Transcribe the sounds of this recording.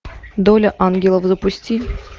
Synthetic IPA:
d̪olʲəʔanɡʲɪlˠəfzəpusʲtʲilʲ

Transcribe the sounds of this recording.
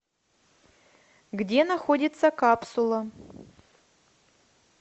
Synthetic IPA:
ɡdʲenɐxodʲɪt̪sɐkapsulˠɐ

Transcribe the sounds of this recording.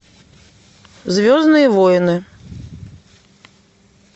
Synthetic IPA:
zvʲɔznɨjɛvɔjɛnɨ

